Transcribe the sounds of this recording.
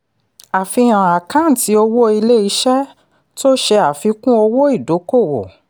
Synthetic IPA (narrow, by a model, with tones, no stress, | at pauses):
a˨fi˧j̃ã˨a˨kã˨˦n̩˨ti˨˧˦o˧wo˦i˧le˦i˧˦ʃɛ˦ | to˦ʃe˧a˨fi˨˧kũ˦o˧wo˦i˦˨do˨˦ko˦˨wo̰˨